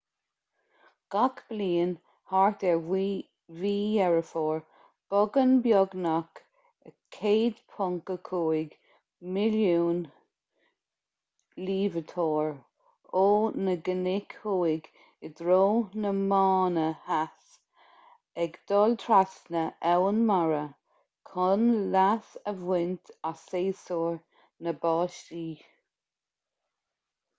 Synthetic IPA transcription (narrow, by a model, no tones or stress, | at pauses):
ɡ̥akb̥liːn | haɹt̪ɛ | viːjɛɹəfoːɹ | b̥ɔɡənbjɔɡnak | əkʰeːd̪pʰɔŋkəkʰuːɪɡ | mɪljuːn | liːvət̪ʰɔːɹ | oːnəɡənɪkʰhuːɪɡ | ɪd̪ɾoːnəmɑːnəhas | ɛɡd̪̥ɔlt̪ʰɾasnəʔɛwənmaɹə | kʰɔnlasəvwɪnt̪aseːsɔːɹ | nəbɑːʃtiː